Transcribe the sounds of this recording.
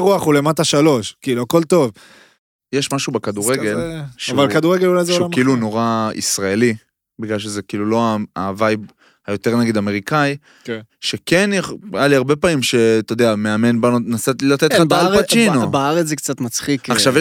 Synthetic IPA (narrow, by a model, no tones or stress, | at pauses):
ʁuaχule̞mat̪aʃalo̞ʃkiːluako̞lt̪o̞v | jeʃmaʃubekad̪uʁeɡe̞lʃavalkad̪uʁeɡelulajzeʃoamkiiluno̞ʁaḭsʁaeli | biɡlalʃ̬ezekiːlulo̞aavajb | hajo̞t̪e̞ʁnaɡid̪ame̞ʁikaj | kʃeke̞njeχjaliaʁbe̞pamimʃe̞t̪od̪eame̞ame̞nbanonasatilat̪etlabalat͡ʃinobaaʁet͡szɛkt͡sat̪mat͡sχikaχʃavje